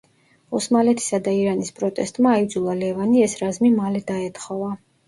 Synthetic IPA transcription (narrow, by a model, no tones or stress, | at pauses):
ɔsmalɛt̪ʰi̥sad̪aiɾanispʼɾɔt̪ʼɛst̪ʼmaːid̪zulˠalɛvaniɛsɾazmimalɛd̪aɛt̪ʰʼχɔva